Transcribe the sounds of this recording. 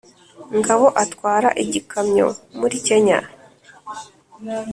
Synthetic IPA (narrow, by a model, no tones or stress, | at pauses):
ŋɡaβo̞ʔatkwaːɾa̰ʔiɟikamɲo̞̰muɾice̞ɲa̰